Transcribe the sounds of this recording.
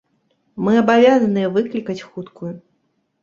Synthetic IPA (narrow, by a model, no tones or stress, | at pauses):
mɨɐbavʲazɐnɨjɛvɨklʲikɐt͡sʲxut̪kʰuju